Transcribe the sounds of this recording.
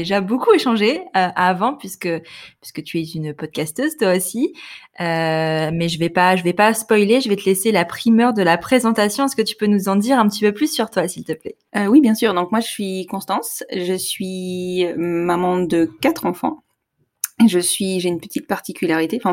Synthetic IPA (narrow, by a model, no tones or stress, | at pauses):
d̪eʒabokueʃɑ̃ʒeøʔavɑ̃pɥiskəpɥi̥skət̪ʰyɛynpɔd̪̚kʲast̪øzt̪waosiømɛʒəvɛpaʒəvɛpaspɔjleʒəvɛt̪əlɛselapχimœʁd̪əlapχezɑ̃t̪asjɔ̃ɛskət̪y̥pønuzɑ̃d̪iʁɛ̃pət̪ipøplysːyʁt̪wasilt̪əplɛ | øwibjɛ̃syːʁd̪ɔ̃kmwaʒəsɥikɔ̃st̪ɑ̃sʒəsɥiømamɑ̃d̪əkat̪χɑ̃fɑ̰̃ | ʒəsɥiʒeynpət̪it̪̚paʁt̪ikʲylaʁit̪ẽfɛ̃